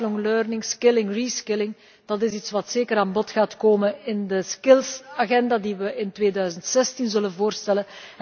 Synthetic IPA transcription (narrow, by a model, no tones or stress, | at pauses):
lɔŋløːrnɪŋskɪlɪŋriːskɪlɪŋ | d̥ɑtɪsitsʋɑtseːkəɾaːnbɔtxaːtkoːmənɪndəskɪlˠsaɣɛndaːdiʋəʔɪntʋeːdœːzəntsɛstinzɵlənvoːrstɛlən